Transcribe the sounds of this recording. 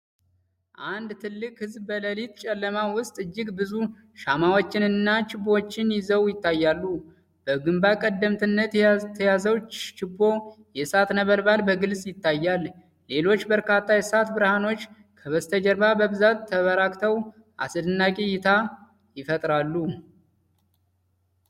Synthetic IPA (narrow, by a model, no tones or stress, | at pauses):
ʔand̪t̪ʰɨlːɨkhɨzbbələlit̪t͡ʃʼɛlːəmawʊst̪ʼɨd͡ʒːɪɡbɨzu | ʃamawot͡ʃːɪnɨnːat͡ʃɪbo̞t͡ʃːɪnjɪzəwjɪt̪ːajːalːu | b̥əɡɨmbakʼəd̪ːəmt̪ʰɨnːət̪t̪ʰəjazəwt͡ʃɪbːo̞jɛsat̪nəβəlbalbəɡɨlsʼjɪt̪ːajːalː | e̞lo̞t͡ʃːbəɾkʰat̪ʰːajɛsat̪bɨɾhano̞t͡ʃː | kʰəβəst̪ʰəd͡ʒəɾbabəbɨzat̪ʰːəβəɾakt̪ʰəw | ʔa̰sɨd̪ɨnːakʼejɪt̪ʰa | jɪfət̪ʼɾalːu